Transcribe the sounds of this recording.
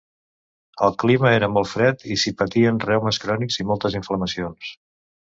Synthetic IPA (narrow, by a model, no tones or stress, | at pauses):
əlˠkliməeɾəmɔlˠfɾɛt̪isipət̪iənrɛwməskɾɔnikzimɔlˠt̪əziɱfləməsions